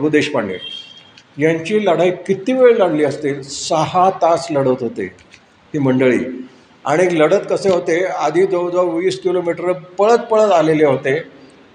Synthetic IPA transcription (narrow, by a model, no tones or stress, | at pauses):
ɡud̪eɕpaɳːḛ | jãɲt͡ɕiːləɽ̤aikit̪iːʋeɭlaɽliːəst̪elsəhat̪at͡sləɽət̪ɦot̪ḛ | tiːməɳɖəɭḭː | a̰ɽ̃iləɽət̪kəseɦot̪ead̪ʱiːd͡zəwd͡z̪ʱaʋiːskilomiʈəɾəpəɭət̪̚pəɭət̪aleleɦot̪e